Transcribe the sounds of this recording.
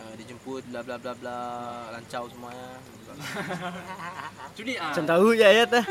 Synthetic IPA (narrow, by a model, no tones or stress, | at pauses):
ədid͡ʒumpʊt̪̚blablablablalaɲt͡ʃawsəmuaɲa | t͡ʃulit͡ʃant̪aujajat̪a